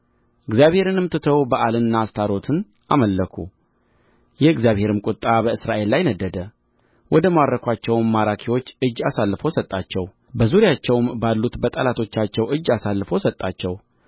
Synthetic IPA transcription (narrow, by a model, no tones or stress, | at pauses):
ɨɡzijaβhe̞ɾɨnɨmt̪ɨt̪ʰəwbəʔalɨnːast̪ʰaɾo̞t̪ʰɨn | ʔaməlːəkʰu | jɛɨɡzjaβhe̞ɾɨmkʼʊt̪ʼːabəɨsɾaʔe̞lːajnəd̪ːəd̪ə | wɔd̪əmaɾɾəkʰʷat͡ʃːɛwmːaɾakʰiwo̞t͡ʃːɨd͡ʒːasalːɨfo̞sət̪ʼːat͡ʃːɛw | bəzuɾijat͡ʃːɛwmbalːut̪bət̪ʼəlat̪ʰo̞t͡ʃːat͡ʃːɛwɨd͡ʒːasalːɨfo̞sət̪ʼːat͡ʃːɛw